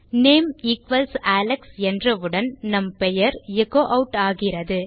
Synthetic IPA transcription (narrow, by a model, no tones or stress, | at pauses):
neːmiːkʋɐlsaːlɐksɛndrɐʋɯɽɐnnɐmpɛjɐɾɛɣoːʔɐʊʈaːɣɪrɐðɯ